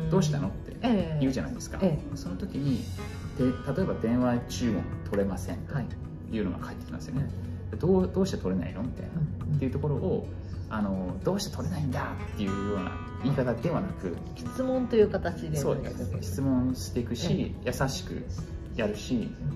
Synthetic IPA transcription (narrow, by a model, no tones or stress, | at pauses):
d̥̪o̞ːɕi̥t̪ano̞t̪ːe̞̰iɯ̟ʑana̰id̪e̞sɨ̥ka̰so̞not̪o̞kʲiɲ̟i | d̪̥ẽt̪at̪o̞e̞bad̪ẽ̞ɰ̃βat͡ɕɨːmõ̞̰nt̪ʰo̞ɾe̞masẽ̞nai | jɯno̞̰ɡa̰kʰait̪ːekʲimnesɨjone | d̪ad̪od̪o̞ːɕi̥t̪et̪o̞ɾe̞na̰ḭno̞t̪ːe̞̰ːeiɯ̟t̪o̞ko̞ɾo̞ʔo | ano̞d̪o̞ːɕi̥t̪e̞t̪ʰo̞ɾe̞naĩnd̪at̪ːe̞jɯ̟ːjo̞ːna̰ | iːkat̪ad̪e̞βanakɯ̟ | çi̥t͡sɨmõnt̪ojɯ̟ːkat̪at͡ɕid̪esoːd̪eeçi̥t͡sɨmõ̞ɰ̃ɕi̥t̪e̞ikɯ̟ɕijʔasaɕi̥kɯ̟̰ | jaɾɯ̟ɕi